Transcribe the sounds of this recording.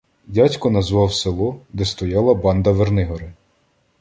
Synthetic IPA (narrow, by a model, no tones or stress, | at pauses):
dʲatʲkɔnɐzʋɑwselˠɔd̪ɛst̪ɔjɑlˠɐbɑnd̪ɐʋernɪɦɔɾɪ